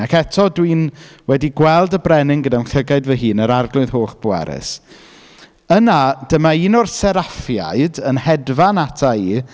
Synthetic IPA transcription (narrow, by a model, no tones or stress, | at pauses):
akɛtʰɔdwiːnwɛdiɡwɛlˠdəbrɛnɪŋɡədawnɬəɡaɨdvəɦɨːnəɾarɡlʊɨðɦoːχb̥ʊwɛ̰ɾɪ̰s | ənad̥əmainɔrsɛɾafja̰ɨdənhɛdvanatʰaiː